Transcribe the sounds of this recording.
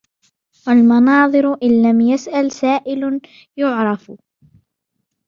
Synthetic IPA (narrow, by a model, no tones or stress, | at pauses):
walmɑnɑːðˤɨɾʔɪlːamjasʔalsaːʔɪl | jʊʕɾˤɑf